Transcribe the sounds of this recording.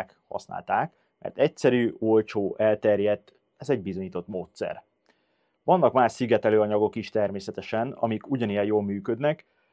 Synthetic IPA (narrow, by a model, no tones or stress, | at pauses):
k | hɒ̰sna̰ːlt̪aːk | mɛ̰rt̪ɛcsɛɾyːolt͡ʃoːʔɛlt̪ɛrjɛt̪ː | ɛzɛɟbizoɲiːt̪ot̪moːt̪sɛ̰r | ʋɒnːɒkmaːʃsiɡɛt̪ɛløːɒɲɒɡo̞kiʃt̪ɛrmeːsɛt̪ɛʃɛnɒ̰mikuɟɒnijɛjoːlmyːkø̞d̪nɛk